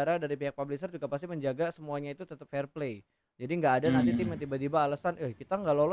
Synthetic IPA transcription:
aɾadaɾipiɦak̚pablis̬ərd͡ʒuɡapas̬t̪iməɲd͡ʒaɡasəmuaɲait̪ut̪ət̪əp̚fɛrplei | d͡ʒadiŋɡaːdanant̪it̪imjãnt̪̬ibat̪ibaːlasanahkit̪aŋɡaʔlolɔ

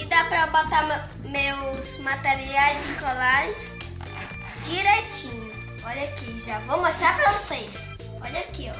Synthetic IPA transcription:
ɪd̪apɾɐbot̪am | mewzmat̪eɾiajzɪskolaɾɪs | d͡ʒiɾejt͡ʃĩɲʊ | ɔʎakiʒavomoʃt̪ɾaɾpɾɐvosejs | ɔʎɐkiɔ

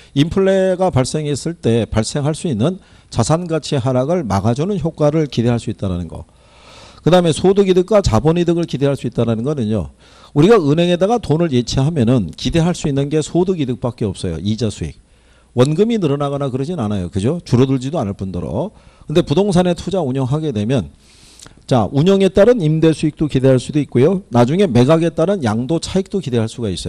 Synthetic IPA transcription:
impʰɯɭːe̞ɡapaɭs͈e̞ŋɦe̞s͈ɯɭt͈e̞paɭs͈e̞ŋɦaɭs͈uinːɯn | t͡ɕasʰanɡat͡ɕʰiɦaɾaɡɯɭma̰ɡad͡ʑunɯnçjok̚k͈aɾɯɭkide̞ɦaɭs͈uit̚t͈aɾanɯnɡʌ̰ | kɯdaɦɯme̞sʰoduɡidɯk̚k͈at͡ɕabʌnidɯɡɯɭkide̞ɦaɭs͈uit̚t͈aɾanɯnɡʌnɯɲo̰ | uɾiɡaɯnɦe̞ŋe̞daɡatonɯɭjet͡ɕʰeɦamjʌnɯnkide̞ɦaɭs͈uinːɯnɡe̞sʰoduɡidɯk̚p͈ak͈e̞ʌp̚s͈ʌjo̰id͡ʑasʰuḭk̚ | wʌnɡɯminɯɾʌnaɣʌnakɯɾʌd͡ʑinɯnanajokɯd͡ʑot͡ɕuɾʌduɭd͡ʑidoanɯɭp͈undɯɾo̰ | kɯnde̞pudoŋs̬ʰane̞tʰud͡ʑauɲʌŋɦaɡe̞dwe̞mjʌn | t͡ɕa̰ʔuɲʌŋe̞t͈aɾɯnimde̞sʰuik̚t͈okide̞ɦaɭs͈udoit̚k͈ojonad͡ʑuŋe̞me̞ɡaɡe̞t͈aɾɯnjaŋdot͡ɕʰaik̚t͈okide̞ɦaɭs͈uɡais͈ʌo

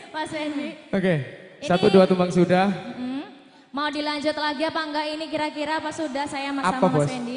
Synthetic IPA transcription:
paspɛndioke | sat̪uduat̪umbaŋsudah̩ | maudilaɲd͡ʒʊt̪laɡiapaŋɡainikiɾakiɾapasudahsajamaaapaabɔsɛndi

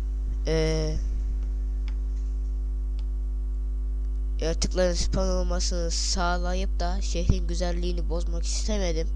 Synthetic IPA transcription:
ɛː | jat̪ʰɯklˠaɾɯnsi̥pʰano̞lˠmasɯnɯsaːlˠajɯp̚d̪aʃeɦɾinɟyzælʲːiːnibo̞zmaki̥st̪ʰeme̞d̪im

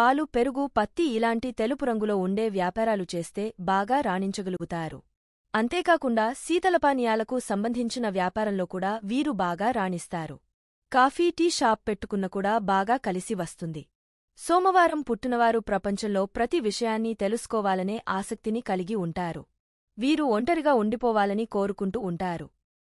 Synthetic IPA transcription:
aːɭːupe̞ɾuɡupɐt̪ːiːlaːɳʈit̪e̞lupuɾɐŋɡulo̞ːuɳɖe̞ːʋjaːpaːɾaːlut͡ʃe̞ːst̪e̞ːbaːɡaːɾaːɳiɲt͡ʃɐɡɐluɡut̪aːɾṵ | ɐnt̪e̞ːkaːkuɳɖaːsiːt̪ɐlɐpaːnijaːlɐkusɐmbɐnd̪ʱiɲt͡ʃinɐʋjaːpaːɾɐmlo̞ːkuːɽaːʋiːɾubaːɡaːɾaːɳist̪aːɾṵ | kaːfʰiːʈiːʃaːpːe̞ʈːukunːɐkuːɽaːbaːɡaːkɐlisiʋɐst̪und̪i | sɔːmɐʋaːɾɐmpuʈːinɐʋaːɾupɾɐpɐɲt͡ʃɐmlo̞ːpɾɐt̪iʋiʂɐjaːnːit̪e̞lusu̥kɔːʋaːlɐne̞ːʔaːsɐk̚t̪inikɐliɡiuɳʈaːɾṵ | ʋiːɾuoɳʈɐɾiɡaːuɳɖipɔːʋaːlɐniko̞ːɾukuɳʈuːɳʈaːɾṵ

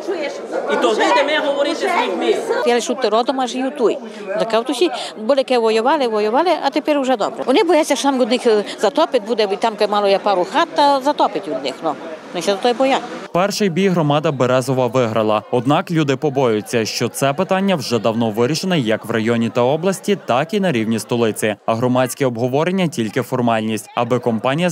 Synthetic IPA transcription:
t͡ʃujɛʃ | it̪ɔit̪ɛmɛɦɔʋɔɾɪt̪ɪixmʲijalɪʃut̪ːɪɾɔd̪ɔmɐʒejut̪uj | zɐkawt̪ʊsʲibɔlʲˠɪkɛʋɔjʊʋɑlˠɪʋɔjʊʋɑlʲˠɪʔɐt̪epɛɾwʒɛd̪ɔbɾɛ̰ʋɔnɪbɔjat̪ʲsʲːɐʃɔt̪amʊd̪nɪxzɐt̪ɔpɪt̪̚ʲbud̪ɛit̪amkmɑlˠɔjapɑɾʊxɑt̪ːɐzɐt̪ɔpɪtʲɔd̪nɪxnɔnɪʃɛd̪t̪ɔjɛbɔjapɛrʃɪjbʲijɦɾɔmɑd̪ɐbeɾɛzɔʋɐʋɪɦɾɐlˠɐɔd̪nɑklʲud̪ɪpɔbɔjʊt͡sʲːɐʃt͡ʃɔt̪sɛpɪt̪ɑnʲːɐwʒɛd̪ɐwnɔʋɪɾʲiʃenɛjɐkʋrɐjɔnʲit̪ɐɔblˠɐsʲtʲit̪ɑkinɐɾʲiwnʲist̪ɔlˠɪt͡sʲɪɐɦɾɔmɑt͡sʲkɛɔbɦɔʋɔɾenʲːɐtʲilʲkɪfɔrmɑlʲnʲisʲtʲɐ̰bɪkɔmpɑnʲijɐ

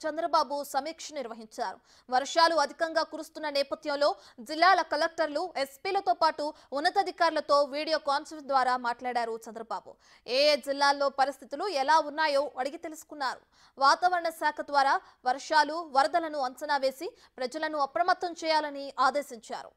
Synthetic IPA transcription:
t͡ʃɐnd̪ɾɐbaːbusɐmiːkʂɐniɾʋɐɦiɲt͡ʃaːɾṵ | ʋɐɾʂaːluɐd̪ʱikɐŋɡaːkuɾust̪unːɐnɛːpɐd̪ʱjɐmlo̞ː | d͡ʒilːaːlɐkɐlek̚ʈɐɾluespiːlɐt̪o̞ːpaːʈuː | nːɐt̪ɐd̪ʱikaːɾulɐt̪o̞ːʋiːɽijo̞ːkaːnsɐɾʈ̚d̪ʋaːɾaːmaːʈlaːɽaːɾut͡ʃɐnd̪ɾɐbaːbṵ | eːd͡ʒilːaːlːo̞ːpɐɾist̪ʰit̪iluɛlaːunːaːjoːʔɐɽiɡit̪e̞lusu̥kunːaːɾṵ | ʋaːt̪aːʋɐɾɐɳɐsaːkʰɐd̪ʋaːɾaː | ʋɐɾʂaːluʋɐɾɐd̪ɐlɐnuɐnsɐnaːʋe̞ːsi | pɾɐd͡ʒɐlɐnuɐpɾɐmɐt̪ːɐmt͡ʃɛːjaːlɐniaːd̪e̞ːsiɲt͡ʃa̰ːɾṵ

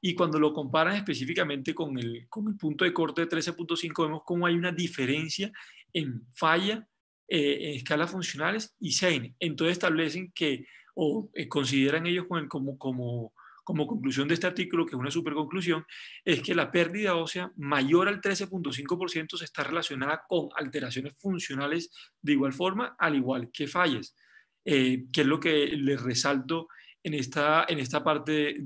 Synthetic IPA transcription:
ikwand̪o̞lo̞ko̞mpaɾaŋe̞spe̞sifikamẽ̞nt̪e̞ko̞ŋelkoŋe̞lpunt̪o̞ðeko̞ɾt̪e̞ðet̪ɾe̞se̞punt̪o̞siŋkoβemo̞sko̞moajunaðife̞ɾe̞nsjaeɱfaʝa | eeŋeskalasfunsjo̞nale̞sisejneːnt̪osesest̪aβle̞s̬e̞ŋke̞oeko̞ns̬iðe̞ɾaŋe̞ʝo̞skoekomokomoko̞mo̞ko̞ŋklus̬jond̪est̪e̞aɾt̪ikulo̞kesunas̬upeɾko̞ŋklus̬jo̞ŋe̞ske̞lape̞ɾd̪iðao̞sjamaʝo̞ɾalt̪ɾe̞se̞punt̪o̞s̬iŋko̞po̞ɾsje̞nt̪os̬est̪are̞lasjo̞naðako̞ŋa̰lt̪e̞ɾas̬jo̞ne̞sfunsjo̞nale̞sd̪e̞iɣwalfo̞ɾmaaliɣwalke̞faʝes | ekezlo̞kelesresalt̪o̞enest̪aenes̬t̪apaɾt̪e̞

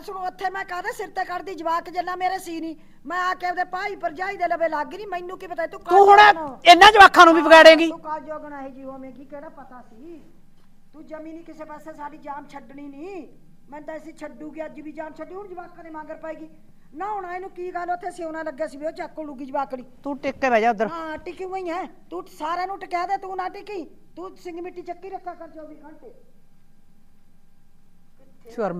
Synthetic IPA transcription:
sənõːət̪ʰːeːmɛ̃ːkad̪eːsɪɾt̪eːkəɾd̪iːd͡ʒəʋaːkd͡ʒeːlãːmeːɾeːsiːniː | mɛ̃ːaːkɛ̃ːd̪eːpaːiːpəɾd͡ʒaːiːd̪eːləbeːlaːɡːiːniːmɛ̃ːɪnːũːkiːbət̪aːiːt̪uːkt̪ũːɦʊɽːɪnːãːd͡ʒəʋaːkʰːãːnũːbiːbəɡɛːɽẽːɡiːt̪uːkaːld͡ʒoːbəɳaːɦeːd͡ʒiːɦoamẽːɡiːkɛːɽaːpət̪aːsiː | t̪uːd͡ʒəmĩːniːkɪseːpɛːseːsaːɖiːd͡ʒaːmt͡ʃʰəɖɳiːniː | mɛ̃ːnt̪aːsiːt͡ʃʰəɖuːɡiːad͡ʒiːbiːd͡ʒaːmt͡ʃʰəɖniːʊnd͡ʒbaːkːaːnẽːmãːɡəɾpaːiːɡiː | nãːʊɽ̃aːeːnũːkiːɡaːloːət̪ʰːeːəsiːoːnãːləɡːjaːsiːbioːt͡ʃaːkːoːluɡiːd͡ʒəbaːkɽiːt̪ũːʈɪkːeːɾɛːd͡ʒaːd̪əɾaːʈiːkuəĩːɛ̃ːt̪uːsaːɾaːnũːʈɪkɛːd̪aːt̪ũːnãːʈɪkĩː | t̪uːsɪ̃ŋɡmɪʈːiːt͡ʃəkːiːɾəkʰːaːkəɾt͡ʃəːd̪iːkʰəɳt̪eː | ʃʊəɾm

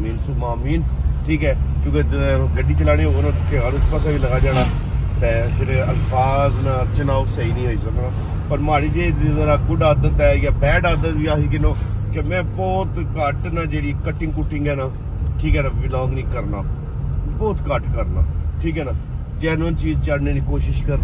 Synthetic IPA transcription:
miːnsuːmaːmiːn | ʈʰiːkɛːkjõːked͡ʒəɡəɖiːt͡ʃəlaːɽ̃iːɦoːnõkʰeəɾʊt͡ʃpəsʰaːʋiːləɡaːd͡ʒaːɽ̃aː | t̪ɛːpʰɪɾə̰lpʰaːznaːəɾt͡ʃənaːosəiːnĩːɦoːiːsəknaː | pəɾmaːɽiːd͡ʒeːdzəɾaːɡʊɖaːd̪ət̪ɛːjaːbɛːɖaːd̪əʋiːaːsiːkɪnõːkemɛ̃ːbɔːt̪ | kəʈnãːd͡ʒeːɽiːkəʈːɪ̃ŋɡkʊʈʰːɪ̃ŋɡɛːnaː | ʈʰiːkɛːnaːʋɪlɔ̃ːŋɡnĩːkəɾnaː | bɔːt̪kəʈkəɾna̰ːʈʰiːkɦɛːnaː | d͡ʒeːnːənt͡ʃiːzt͡ʃəɖneːd̪iːkoːʃɪʃkəɾd̪

